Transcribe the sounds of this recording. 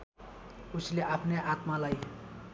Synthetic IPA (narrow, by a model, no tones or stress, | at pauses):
usleʔapʰneʔat̪malaj